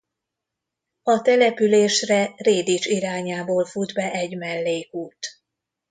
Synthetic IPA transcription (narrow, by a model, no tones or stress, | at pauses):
ɒt̪ɛlɛpyleːʃrɛreːd̪it͡ʃiɾaːɲaːboːlfud̪bɛʔɛɟmɛlːeːkuːt̪